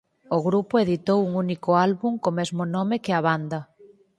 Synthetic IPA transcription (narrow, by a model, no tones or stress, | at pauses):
oɣɾupoeðit̪owuŋunikʊalβuŋkomezmʊnɔmɪkɪɐβand̪ɐ